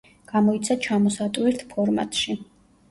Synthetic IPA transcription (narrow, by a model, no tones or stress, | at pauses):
ɡ̥amɔit̪sʰat͡ʃʰamɔsat̪ʼwiɾt̪ʰpʰɔɾma̰t̪ʼʃi